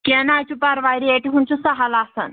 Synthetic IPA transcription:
kɛnat͡ɕupaɾʋajɾieʈiɦunt͡ɕusəɦalasə̰n

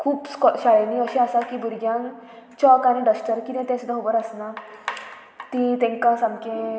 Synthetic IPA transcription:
kʰuːpskɔɕaɭniəɕeasakibuɾɡjãn | t͡ɕɔkañiɖəsʈəɾkit̪ẽt̪ɛ̃sud̪aɦobəɾəsna | t̪ĩt̪ɛ̃ŋkãsãmkẽ

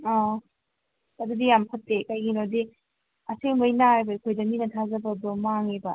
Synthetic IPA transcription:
ɔ | ɐdudijampʰɐtːekajɡinodi | ɐseŋbɐjnaajbɐikʰojdɐminɐtʰazɐbɐdomaŋebɐ

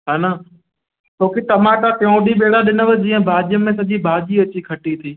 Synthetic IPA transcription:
ɦaːna | t̪ʰoːkit̪ɐmãːʈakɐõɗiɓeːɽaɗɪnəʋəd͡ʑiːə̃bʱaːd͡ʒijəmẽsɐʄibʱaːd͡ʒiɐt͡ɕikʰɐʈit̪ʰiː

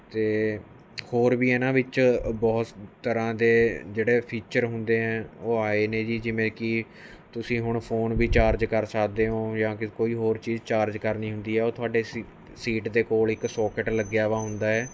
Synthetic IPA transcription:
t̪eː | hoːɾʋiːɛːnãːʋɪt͡ʃbɔːt̪t̪əɾãːd̪eːd͡ʒeːɽeːpʰiːt͡ʃəɾɦʊnd̪eːɦɛ̃ːoːaːeːneːd͡ʒiːd͡ʒɪʋẽːkɪ | t̪ʊsĩːɦʊɳpʰoːnʋiːt͡ʃaːɾd͡ʒkəɾsəkʰd̪eːɦoːjãːkɪkoːiːɦoːɾt͡ʃiːzt͡ʃaːɾd͡ʒkəɾniːɦʊ̃nd̪iːɦɛːoːt̪ʰʊaːɖeː | siːʈd̪eːkoːlɪksɔːkəʈləɡjaːʋaːɦʊnd̪aːɛː

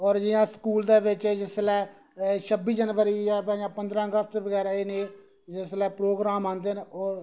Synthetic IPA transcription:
ɔːɾd͡ʒɪjãːskuːld̪eːʋɪt͡ʃːd͡ʒɪslɛː | ʃʰəbiːd͡ʒənʋəɾiːjaːpɛ̃ːd͡ʒãːpənd̪ɾãːəɡəst̪ːʋəɡɛːɾaːeːneː | d͡ʒɪslɛːpɾoːɡɾaːmãːnd̪eːnɔːɾ

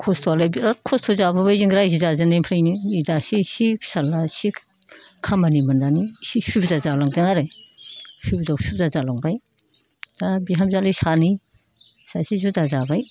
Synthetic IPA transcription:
kʰɔstʰɔlabiɾakʰɔstʰozabɯbajziŋɡɾajzizazɯnajmpʰɾajniidasisisalasi | kʰamanimandanisisubdazalaŋdɯŋaɾe | subdawsub̚dazalaŋbaj | dabiɦamzalisani | sasizudazabaj

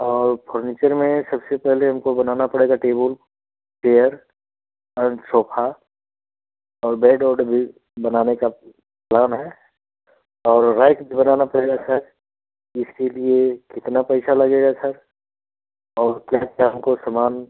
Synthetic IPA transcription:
ɔːɾpʰoːɾniːt͡ʃəɾmẽsɐbsepɛɦleɦɐmkobɐnaːnapɐɽeːɡaʈeːbəl | peːjəɾ | ɔɾt͡ʃoːpʰa | ɔːɾbɛːɖɔːɾɖbʱi | bɐnaːneka | plaːnɦɛ | ɔːɾːaːɪkbʱibənaːnapɐɽeɡasɐɾ | ɪskeliekɪt̪napɛɪsalɐɡeːɡasɐɾ | ɔːɾkjaːkjaɦɐmkosəmaːn

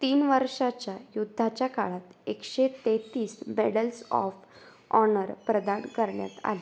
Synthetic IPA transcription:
t̪iːnʋəɾʂat͡ɕjajud̪ʱːat͡ɕjakaɭat̪ekɕet̪et̪iːsmeɽəlsɔ̰f | ɔnəɾpɾəd̪ankəɾɳja̰t̪a̰le

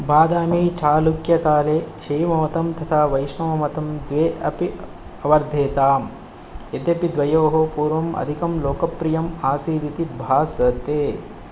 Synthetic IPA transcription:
baːd̪aːmiːt͡ʃaːlukjɐkaːleːʃiːmɐʋɐt̪ɐmt̪ɐt̪ʰaːʋɐjʃɳɐʋɐmɐt̪ɐmd̪ʋeːʔɐpi | ɐʋɐɾd̪ʱeːt̪aːm | ed̪jɐpid̪ʋɐjoːɦopuːɾʋɐmʔɐ̰d̪ʱikɐmloːkɐpɾijɐmaːsiːd̪it̪ibʱaːsɐt̪eː

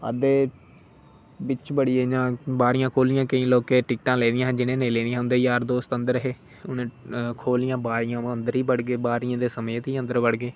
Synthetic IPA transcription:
ə̰d̪eː | bɪt͡ʃbəɽieːd͡ʒãːbaːɾɪjãːkʰoːlɪjãːkəĩːloːkeːʈɪkʈãːleːd̪ɪjãːɦd͡ʒɪnẽːnẽːlẽːnd̪ijãːʊnd̪eːjaːɾd̪oːst̪ənd̪əɾəɦeː | ʊnẽːkʰoːlɪjãːbaːɾɪjãːənd̪əɾiːbəɽɡeːbaːɾɪjãːd̪eːsəmeːt̪iːənd̪əɾbəɽɡeː

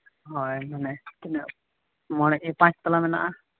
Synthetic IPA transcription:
ɦɔjmanɛt̪inɛ | mɔɽ̃ɛʔepãt͡ʃʰt̪ɔlamɛna̰ʔa

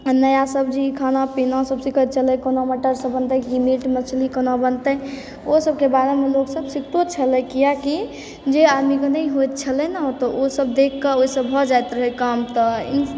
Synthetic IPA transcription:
nəjasəbd͡ʒikʰanapinasəbsikʰət̪̚t͡ʃʰələkɔnaməʈəɾsə̃bənt̪əɦimiʈmət͡ʃʰlikənabənt̪ə | osəb̚kebaɾemeloɡsəbsikʰt̪ot͡ʃʰələkijaki | d͡ʒead̪mikɔnəiɦojt̪̚t͡ʃʰələnat̪ɔosəbd̪ekːəoisəbɦɔd͡ʒajt̪ɾəɦikamt̪ɔi

